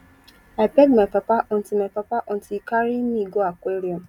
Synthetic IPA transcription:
aɪbɛɡmapapaʔɔ̃ntilmapapaʔɔ̃ntikaɾimĩɡoakʷeɾiɔ̃m

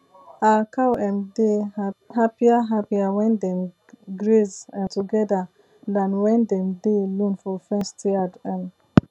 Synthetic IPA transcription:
akawɛ̃ndeɦapiaɦapiawɛ̃ndɛ̃m | ɡɾezãntuɡɛda | dãnwɛ̃ndɛ̃mdelũnfɔfɛ̃stʰiadɛ̃n

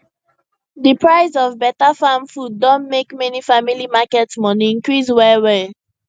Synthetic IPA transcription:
dipɹaɪzɔvbɛtafãmfud̚ːɔ̃nmekmɛnifamilimakɛtsmɔniĩnkɹis̬wɛwɛ

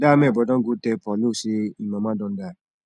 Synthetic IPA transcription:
damɛbɔdɔ̃ŋ̩ɡotɛpɔlosiimãmadɔ̃n̩da

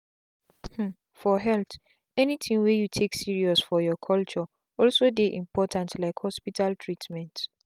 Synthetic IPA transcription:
h̩ | fɔɦɛlt | ɛnitʰĩŋwejutʰeksiɹiɔsfɔjɔkʰɔlt͡ʃɔ | ɔlsodeʔĩmpʰɔtʰãntlaɪkhɔspitʰaltʰɹitmɛ̃nt

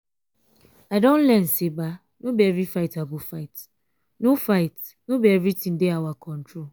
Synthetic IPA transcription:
aɪdõn̩lɛn̩seba | nũbɛvifaɪtabʊfaɪt | nofaɪt | nũbɛɛvitĩdeawakʰɔ̃ntʰɾo

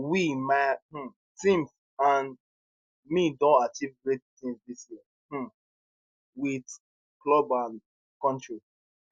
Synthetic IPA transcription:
wimaɪh̩ | tĩmf | ãn | midõntat͡ʃivɡɹet̚tĩŋzdisjɛ | h̩ | wid | klɔbãn | kɔ̃ntɹi

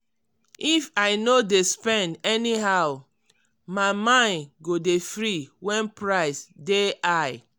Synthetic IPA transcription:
ifaɪnodespɛ̃ndɛniɦaʊw | maɪmãɪ̃nɡodefɹiwɛ̃npɹaɪsdeʔaɪ

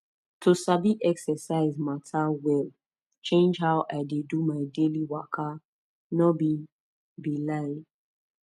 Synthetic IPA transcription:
tʰosabiʔɛksɛsaɪzmatʰawɛl | t͡ʃẽnd͡ʒɦawʔaɪdedumaɪdeliwakʰa | nɔbi | bilaɪ

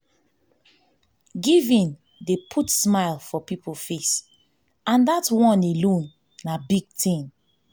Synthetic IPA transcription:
ɡivĩn | depʰutsmaɪlˠfɔpipolfes | ãndatwɔ̃nelõnː | abiɡ̥̚tĩn

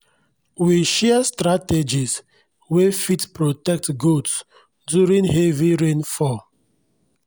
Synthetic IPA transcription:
wiʃɛstɹated͡ʒis | wefitpɹotɛk̚tɡods | djuɹĩŋheviɹẽnfɔ

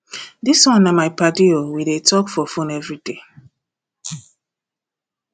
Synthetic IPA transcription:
diswɔ̃nːamaɪpadiowidetʰɔkfɔfõnɛvɹide

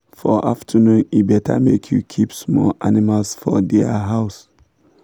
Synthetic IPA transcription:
fɔʔaftʰənũnibɛtʰa̰mekʰjukʰipsmɔʔanimalsfɔ̰dɛaɦaʊs

